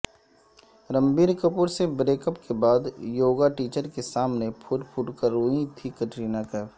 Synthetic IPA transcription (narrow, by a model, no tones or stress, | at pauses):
ɾə̃mbiːɾkəpʊɾsebɾeːkəpkebaːd̪joːɡaʈiːt͡ʃəɾkesaːmnepʰʊʈpʰʊʈkəɾoːĩt̪ʰikɐʈɾiːnakɛ